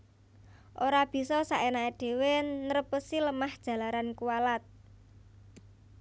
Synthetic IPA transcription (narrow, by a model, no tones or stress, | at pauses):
ʔoɾab̥i̤sɔsaʔenaeɖ̥e̤wenəɾəpəsiləmahd̥ʒ̥ä̤laɾankuwalat̪̚